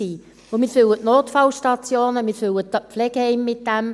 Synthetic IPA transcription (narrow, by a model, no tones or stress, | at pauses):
iː | ʊmiːɾfʏwətnoːtfɑlʃtɑt͡sjoːnəmiɾføwətɑpflɛɡ̥hɛɪmːɪt̚d̥ɛm